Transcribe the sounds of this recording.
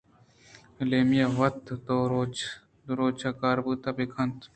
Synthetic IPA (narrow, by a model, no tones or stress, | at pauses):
leːmijaʋɐt̪t̪oːɾo | ɾoːt͡ʃʰakaːɾbɨt̪apikʰɐnt̪